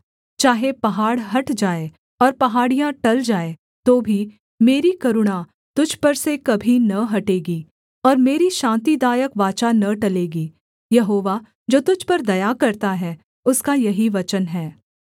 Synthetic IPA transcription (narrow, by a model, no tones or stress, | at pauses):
t͡ʃaːɦepɐɦaːɽɦɐʈd͡ʒaːe | ɔːɾpɐɦaːɽijãʈɐld͡ʒaːe | t̪oːbʱi | meːɾikɐɾʊɽ̃a | t̪ʊd͡ʒʱpɐɾsekɐbʱinɐɦɐʈeːɡiː | ɔːɾmeːɾiʃãːnt̪id̪aːjəkʋaːt͡ʃanɐʈɐleːɡiː | jɐɦoːʋa | d͡ʒoːt̪ʊd͡ʒʱpɐɾd̪ɐjakɐɾt̪aɦɛ | ʊskajɐɦiʋɐt͡ʃənɦɛː